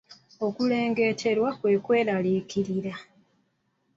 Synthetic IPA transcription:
o̞kule̞ːŋɡe̞tʰe̞ɾwakwe̞kwe̞ːlalikiɾiɾa

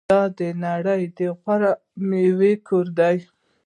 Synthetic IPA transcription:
ɑd̪ənaɽəjd̪əɣʷwaɾa | mewekʰoɾd̪aj

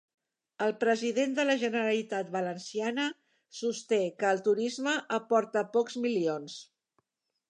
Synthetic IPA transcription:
əlˠpɾəziðend̪ələʒənəɾəlit̪at̪̚βələnsianə | sust̪ekəːlˠt̪uɾizməʔəpɔɾt̪əpɔkzmilions

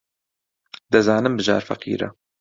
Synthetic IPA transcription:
d̪ɨzaːnɨmbɨʒaːɾfɐ̰qḭːɾɐ̰

